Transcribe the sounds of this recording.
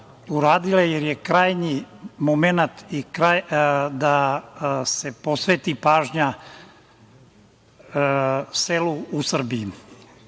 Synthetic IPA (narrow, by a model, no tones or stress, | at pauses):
uɾaːd̪ilejeɾjekɾaːjɲimomenat̪ikɾajd̪a | sepo̞sʋet̪ipaːʒɲa | seluusr̩biː